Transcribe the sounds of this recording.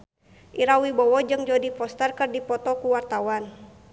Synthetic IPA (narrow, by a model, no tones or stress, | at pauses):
ʔiɾawibɔwɔd͡ʒɨŋd͡ʒodipɔst̪ərkɨrdipɔt̪ɔkuwart̪awan